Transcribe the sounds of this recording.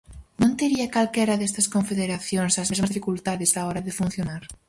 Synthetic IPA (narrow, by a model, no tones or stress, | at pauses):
nõnt̪eɾiɐkalkɛɾɐðɛst̪ɐskõɱfeðeɾaθjoŋsɐzmezmɐzðifikult̪aðɪsaɔɾɐðɪfunθjonaɾ